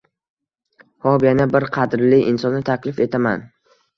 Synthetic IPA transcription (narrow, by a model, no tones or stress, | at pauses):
hɒbjanabɪɾqʰɑd̪ɾlɪʔɪnsɒnːɪt̪ʰakʲlɪfe̞t̪ʰama̰n